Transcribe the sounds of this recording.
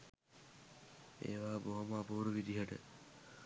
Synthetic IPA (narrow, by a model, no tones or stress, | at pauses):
ḛːʋaːboɦoməapouɾuʋid̪iɦəʈə̰